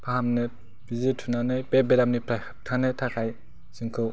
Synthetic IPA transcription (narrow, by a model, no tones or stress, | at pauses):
pʰaɦamne | b̥izitʰunanɯjpebeɾamnipʰɾa | tʰanetʰakʰaj | siŋkʰɯw